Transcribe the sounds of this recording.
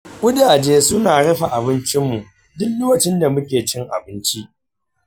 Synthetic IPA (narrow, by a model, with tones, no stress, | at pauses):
ʔʷʊ˦di˨ʔa˨d͡ʒeː˦sʊ˦naː˨ɽɛ˦ɸa˨ʔa˨bɪ˦nt͡ʃɪ˦mːu˨ʔ | dʊ˦kloː˦wɐ˨t͡ʃɪ˦nda˨mʊ˦kʲeː˨t͡ʃɪ˦ŋʔa̰˨bɪ˦nt͡ʃi˦ʔ